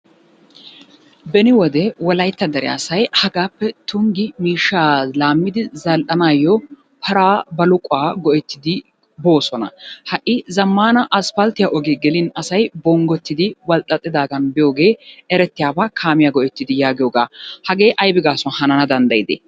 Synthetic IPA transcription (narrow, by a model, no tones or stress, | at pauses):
bɛnɪwɔd̪ɛwɔlɐjt̪ːɐd̪ɐɾɛja̰ːsɐjhɐɡaːpːɛt̪ʊŋɡɪmiːʃːaːlaːmːɪd̪ɪzɐlʔɐnaːjːɔ | pʰɐɾaːbɐlʊkʼʊaːɡɔʔɛt̪ːɪd̪ɪ | bo̞ːsɔnɐ̰hɐʔɪzɐmːaːnɐʔɐspɐlt̪ɪjaʔɔɡeːɡɛlɪnɐsɐjbɔŋɡɔt̪ːɪd̪ɪwɐlt̪ʼːɐt̪ʼːɪd̪aːɡɐnbɪjoːɡe̞ːɛɾɛt̪ːɪjaːbaːkʰaːmɪjaɡɔʔɛt̪ːɪd̪ɪjaːɡɪjoːɡaːhɐɡe̞ːʔɐjbɪɡaːsɔnhɐnɐnɐd̪ɐnd̪ɐjɪd̪ḛː